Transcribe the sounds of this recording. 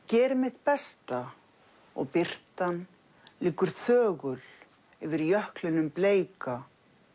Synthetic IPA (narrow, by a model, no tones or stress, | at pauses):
cɛːɾmɪht̪pɛst̪a | ɔ̰ɣpɪr̥t̪an | lɪːkʏɾ̥θœːɣʏl | ɪvɪɾjœhklɪnʏmpleːjka